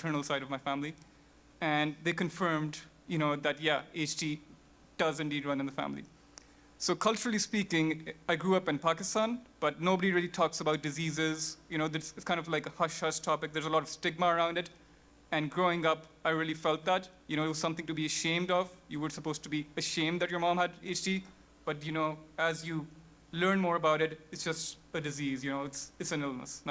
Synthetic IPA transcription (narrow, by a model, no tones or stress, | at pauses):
tʰɜ˞nəl̩ˠsaɪɾʌvmaɪfæ̃mli | ɨ̃nðeɪkɨ̃ɱfɜː˞md | jɨñoʊðɨtjæeɪt͡ʃdi | d̥ʌzɨ̃ndiːdɹʌ̃nɨ̃nðəfæ̰̃mlḭ | soʊkʰʌlˠt͡ʃəɹl̩ˠispikɪ̃ŋaɪɡɹuʌpɨ̃npakɨstãnb̥ʌt̚noʊbəɾiɹiəlitʰɔksəbaʊt̚dɨzizɪzjɨnoʊðɨsɪtskʰãɪ̃ndʌvlaɪkəhʌʃhʌʃtʰɔpɪk̚d̪ə˞zəlɔɾʌv̥stɪɡ̚məəɹãʊ̃ndɨt | ɨ̃nɡɹoɪ̃ŋʌpaɪɹiəlˠifɛlt̪̚ðæt | jɨñoʊɨtwʌzsʌ̃mθɪ̃ŋtubiɨʃẽɪ̃mdɔvjɨʋə˞səpoʊz̥tubiɨʃẽɪ̃mdd̪ɨtjəː˞mɑ̃ːmɨdeɪt͡ʃdi | b̥ʌtjɨnoʊæzju | lɜ̃˞nmɔːɹəbaʊɾɨtɨtsd̥d͡ʒ̥ʌst | ədɨzizjɨnoʊɪtsɨtsɨ̃nɪlnə̰sn